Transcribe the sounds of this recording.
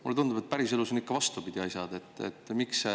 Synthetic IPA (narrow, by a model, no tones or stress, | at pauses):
mulːeund̪ub̥e̞t̪̚ˑpæɾise̞lusonikːɑvɑst̪upid̪̥iɑjsɑd̪̥e̞t̪ːˑḛt̪ːˑmikse